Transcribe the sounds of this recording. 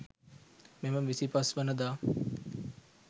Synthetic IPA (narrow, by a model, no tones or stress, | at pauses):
meməʋisipasʋənəd̪aː